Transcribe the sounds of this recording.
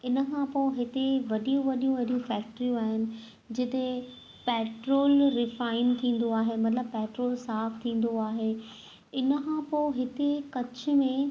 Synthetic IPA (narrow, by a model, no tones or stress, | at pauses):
ɪnə̆kʰãpoːɦɪt̪eʋɐɗijũʋɐɗijũʋɐɗijũfɛːk̚ʈəɾijũaːɦɪnɪ̆ | d͡ʑɪt̪e | pɛːʈɾoːlɾɪfaːɪnt̪ʰĩːn̆d̪oaːɦemɐt̪ləbpːɛːʈɾoːlsaːft̪ʰĩːn̆d̪oaːɦe | ɪnəkʰãːpoɪɦɪt̪ekɐt͡ɕʊ̆mẽ